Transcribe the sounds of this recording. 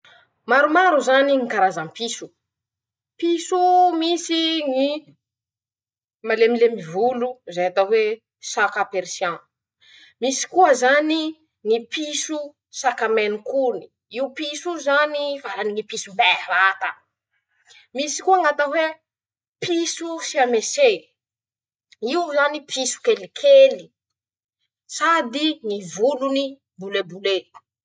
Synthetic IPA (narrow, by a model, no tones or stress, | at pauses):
maɾumaɾuzaniŋikaɾazampisu̥ | pisumisiŋi | malemilemivuluzajat̪aɦwe | sakapeɾisjã | misi̥kuəzani | ŋipisu | sakamenukuni̥ | iupisuzanifaɾaniŋipisubɛɾat̪a | misi̥kuaŋat̪əwe | pʰisusiamese | iuzanipʰisu̥kelikʰeli | sad̪iŋivuluni | bulebule